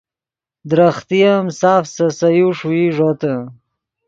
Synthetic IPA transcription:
d̪ɾaχt̪ijamsaːfsɐsɐjuʂuiʐot̪ə

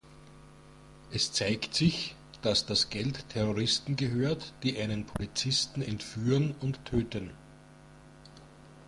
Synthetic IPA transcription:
ʔɛst͡saɪktsɪç | d̥asd̥asɡ̥ɛltʰːɛʁoʁɪstn̩ɡəɦøːɐtd̥iːʔæɪnənpʰolit͡sɪstn̩ɛntfyːʁənʊntʰːøːtən

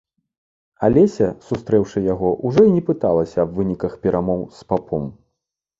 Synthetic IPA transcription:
alʲɛsʲɐsust̪ɾɛwʂɨjaɣɔʔuʐɔinʲɛpɨt̪alˠɐsʲɐːbvɨnʲikɐxpʲɛɾʔamɔwspapʰɔm

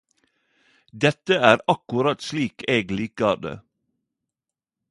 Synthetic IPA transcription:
d̪ɛt̪əæːɾɑkʉɾɑt̪sliːkʰeːɡliːkəɑːd̪ḛː

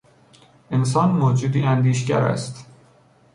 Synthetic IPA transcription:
ens̬ɒːnmoːd͡ʒuːd̪iːænd̪iːʃɟæ̰ɾæ̰st̪

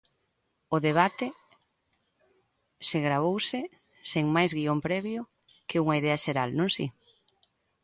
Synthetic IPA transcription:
ʊðeβ̞at̪ɪ | seɣɾaβ̞owsɪ | seŋmajzɣiompɾɛβjʊ | kʰɪuŋɐiðɛɐʃeɾalnõŋsi

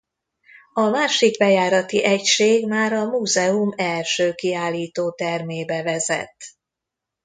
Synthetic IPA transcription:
ɒmaːʃiɡbɛjaːɾɒt̪iʔɛcʃeːɡmaːɾɒmuːzɛumɛlʃøːkiaːlːiːt̪oːt̪ɛrmeːbɛvɛzɛ̰t̪ː

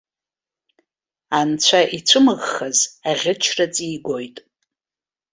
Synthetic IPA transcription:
ant͡ɕʷʰaʔit͡sʷʰɨmɨʁːazaʁʲɪt͡ʃʰrat͡sʼiːɡʷo̞jtʼ

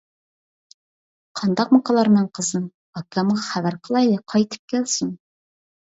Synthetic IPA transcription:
qʰɑnd̪ɑq̚mɑqʰɑlˠɑɾnɑɴqʰəzɨm | ɑkːɑmʁɑχæβæɾqʰəlˠɑjlɨqʰɑjt̪ʰɨ̥p̚kʲælsun

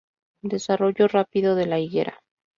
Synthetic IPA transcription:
d̪e̞saro̞ʝo̞rapiðo̞ðe̞laiɣe̞̰ɾa̰

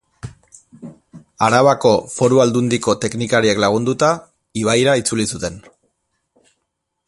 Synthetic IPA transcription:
aɾaβako̞fo̞ɾuald̪und̪iko̞t̪e̞knikaɾieklaɣ̞und̪ut̪a | iβ̞ajɾait͡sulisut̪e̞n

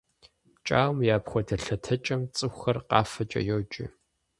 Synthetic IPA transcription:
t͡ʃʼa̰ːwmjaːpχʷɔdʰɐɬɐtʰɐt͡ʃʼɐmt͡sʼɨxʷxɐrqɑːfɐt͡ʃʼɐ̰jot͡ʃʼɪ̰

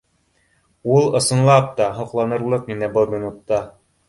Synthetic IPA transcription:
ulˠɤ̆sɤ̆nlˠɑp̚t̪ɑɦŏqlˠɑnɤ̆ɾlˠɤqninæbɤlˠmʲinut̪ːɑ

